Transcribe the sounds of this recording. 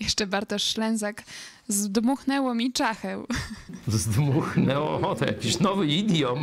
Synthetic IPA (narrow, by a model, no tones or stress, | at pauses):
jɛʂt͡ʂɛbaɾt̪aʂːlɛ̃ñzak | zd̪muxnɛwɔmʲit͡ʂaxɛw | zd̪muxnɛwɔɔt̪ɔ̰ja̰kʲiɕnɔvɘid̪ʲjɔm